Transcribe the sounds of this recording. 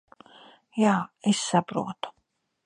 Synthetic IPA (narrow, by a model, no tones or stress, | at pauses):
jaːɛsːabɾṵːt̪ʰɔ̥